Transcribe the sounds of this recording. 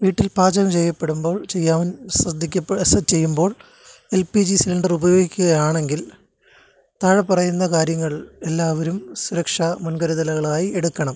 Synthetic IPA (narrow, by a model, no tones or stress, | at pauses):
ʋiːʈːilpaːd͡ʑɐɣɐmt͡ɕe̞jːɐpːe̞ɽumbo̞ːɭt͡ɕe̞jːaːʋɐnsrɐd̪ʱːikʲːɐpːsɐt͡ɕe̞jːumbo̞ːɭ | elpid͡ʑisilɐɳɖɐrubɐjo̞ːɡikʲːuɣɐjaːɳe̞ŋɡil | t̪aːɻɐpɐrɐjunːɐkaːɾjɐŋːɐɭe̞lːaːʋɐɾumsuɾɐkʂamunɡɐɾɐðɐlɐɣɐɭaːjieɽukːɐɳɐm